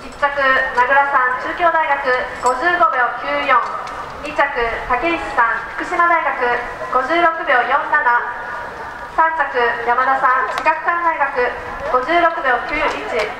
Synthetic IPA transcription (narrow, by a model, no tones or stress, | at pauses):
t͡ɕit͡ɕːakɯ̟naɡɯ̟ɾasãnt͡ɕɨːkʲo̞ːd̪aiɡakɯ̟ɡ̥o̞d͡ʑɨːɡo̞bʲjo̞ːkʲɨːjõŋ | ɲit͡ɕakɯ̟t̪akeiɕi̥sãɸɯ̟̥kɯ̟ɕimad̪aiɡakɯ̟ | ɡ̥o̞ʑɨːɾo̞kɯ̟bʲjo̞ːjõ̞nːad̪ã | sãɲt͡ɕakɯ̟jamad̪asãɰ̃t͡ɕiɡakɯ̟̥kãnd̪aiɡakɯ̟ | ɡ̥o̞d͡ʑɨːɾo̞kɯ̟bʲjo̞ːkʲɨːjõit͡ɕi